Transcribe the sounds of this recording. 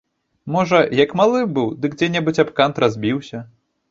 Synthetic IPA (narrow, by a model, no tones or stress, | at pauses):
mɔʐɐjɐkmalˠɨbɨwd̪ɨkd͡zʲɛnʲɛbɨt͡sʲapkant̪ɾazʲbʲiwsʲɐ